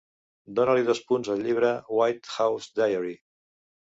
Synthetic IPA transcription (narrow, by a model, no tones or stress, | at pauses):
d̪onəliðospunzəlʎiβ̞ɾəwajt̪xawzd̪ajəɾi